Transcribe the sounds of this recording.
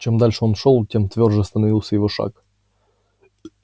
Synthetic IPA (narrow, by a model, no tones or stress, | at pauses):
t͡ɕemd̪alʲʂɨonʂolˠtʲemt̪vʲo̞rʐəst̪ənɐvilˠsʲəjɪvoʂa̰k